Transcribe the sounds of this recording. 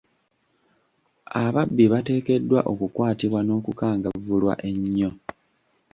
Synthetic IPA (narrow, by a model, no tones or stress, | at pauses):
aβabːiβate̞ːke̞dːwaʔo̞kukwaːtiβwano̞ːkukaːŋɡavulwa̰ʔe̞ɲːo̞